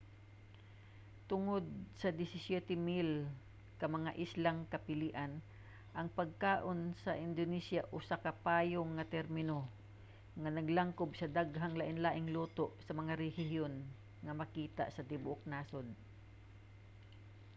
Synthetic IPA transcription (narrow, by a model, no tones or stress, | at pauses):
t̪ʊŋod̪̚sɐd̪ɪsɪsjɛt̪ɛmil | kɐmɐŋaʔɪslaŋkɐpɪliʔan | ʔɐŋpɐɡ̚kaːʔonsɐʔɪnd̪onɛsjaʔʊsakɐpaːjoŋːɐt̪ɛɾmɪno | ŋanɐɡlaŋkobsɐd̪aɡɦaŋlaʔɪnlaːʔɪŋluːt̪oʔsɐmɐŋaɾɛhɪhjon | ŋɐmɐkiːt̪a̰ʔsɐd̪ɪbʊʔok̚naːson